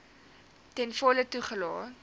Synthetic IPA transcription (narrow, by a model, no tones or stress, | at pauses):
tɛnfɔlətuχəlɑː